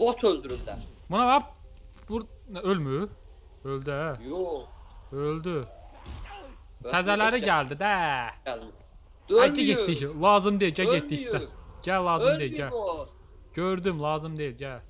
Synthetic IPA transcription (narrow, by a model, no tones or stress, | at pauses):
vot̪ʰøld̪yɾyld̪æ̰bunɑvɑp̚ | buɾølmy | øld̪æ | øld̪y | æzælæɾiɟæld̪id̪æ | ælcʰæɟed̪içlˠɑːzɯmd̪eilɟæɟet̪̚d̪içst̪æɟælˠɑːzɯmd̪ejilɟæ | ɟøɾd̪ymlˠɑːzɯmd̪ejilɟæ